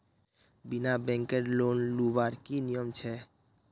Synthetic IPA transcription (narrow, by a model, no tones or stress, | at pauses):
bɪnabɛ̃ŋkeʈloːnlubaɾkinijəmt͡ʃʰɛ